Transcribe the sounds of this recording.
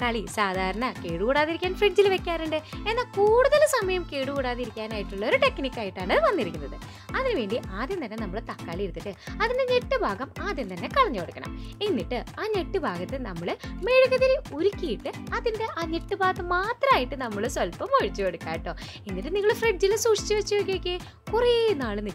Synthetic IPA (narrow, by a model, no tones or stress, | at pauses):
kɐɭisaːd̪ʱaːɾɐɳɐkeːɽukuːɽaːðiɾikʲːaːnfreɖd͡ʑilʋe̞kʲːaːɾuɳɖɨe̞nːaːkuːɽuðɐlsɐmɐjɐmkeːɽukuːɽaːðiɾikʲːaːnaːjiʈːuɭːɐo̞ɾuʈe̞knikʲːaːjiʈːaːɳɐɨʋɐnːiɾikʲːunːɐðɨ | ɐðinɨʋe̞ːɳɖiʔaːðjent̪ɐnːe̞nɐmːɐɭt̪ɐkːaːɭiɾunːiʈːɨɐðinde̞ɲe̞ʈːɨbʱaːɡɐmaːðjent̪ɐnːe̞kɐɭɐɲːukoɽukːɐ̰ɳɐ̰menːiʈːɨaːɲe̞ʈːɨbʱaːɡɐt̪ːenɐmːɐɭɨme̞ɻuɣɐðɐɾioɾukʲːijiʈːɨɐðinde̞ʔaːɲe̞ʈːɨbʱaːt̪ːɐmːaːt̪rɐmaːjiʈːɨnɐmːɐɭɨswɐlpɐmoɻit͡ɕːukeɽukːaːjiʈːo̞ː | enːiʈːɨniŋːɐɭfreɖ̚d͡ʑilsuːʂi̥t͡ɕːɨʋɐt͡ɕːɨjok̬ːijokʲːe | kurenːaːɭɨni